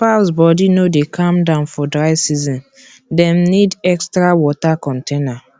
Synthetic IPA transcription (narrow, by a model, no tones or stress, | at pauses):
paʊsbɔdinodekʰãmdãʊ̃nfɔdɹaɪsizɔ̃n | dɛ̃mnidɛkstɹawɔtakɔ̃ntʰena